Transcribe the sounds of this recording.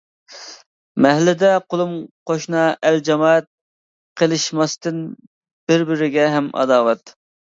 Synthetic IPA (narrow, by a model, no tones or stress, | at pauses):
mɛɦlɪd̪ɛqolˠumqʰoʃnɑʔɛld͡ʒɑmɑːɛt̪̚ | qʰəlˠɨʃmɑst̪ɨn | b̥ɪɾbɪɾɪɡʲɛɦɛmʔɑ̰d̪ɑːwɛt̪